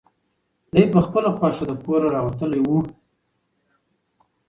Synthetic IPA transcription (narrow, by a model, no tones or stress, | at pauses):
d̪ajpəxpəlapɑʃad̪əkoɾaɾɑwat̪əlewu